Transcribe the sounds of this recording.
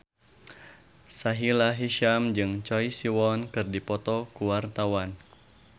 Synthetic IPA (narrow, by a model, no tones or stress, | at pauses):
saɦilaɦiʃamd͡ʒɨŋt͡ʃɔjsiwɔnkɨrdipɔt̪ɔkuwart̪awan